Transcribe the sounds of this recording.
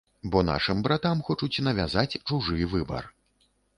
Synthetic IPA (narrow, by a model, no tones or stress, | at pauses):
bɔna̰ʂɨmbɾat̪amxɔt͡ʂut͡sʲnɐvʲazat͡sʲt͡ʂuʐɨvɨbɐ̰r